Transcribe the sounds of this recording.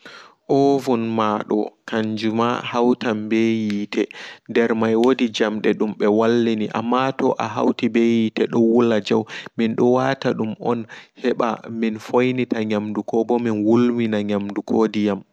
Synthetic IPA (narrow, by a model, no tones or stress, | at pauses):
ʔɔvunmaɗɔ̰kaɲd͡ʒuma̰hawtambejiːtʰɛndɛɾmajwodid͡ʒamɗɛɗumɓɛwalːiniʔa̰mːatɔʔaɦa̰wtibejitɛɗɔwulːad͡ʒawminɗɔwataɗumɔnhɛɓa̰minfojnitaɲamdukɔbɔminwulminaɲamdukʰodijam